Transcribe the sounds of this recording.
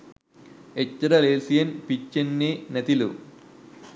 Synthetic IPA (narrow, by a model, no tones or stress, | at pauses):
et͡ʃːɐɾɐleːsijɐnpit͡ʃːenːinɐt̪ilṵ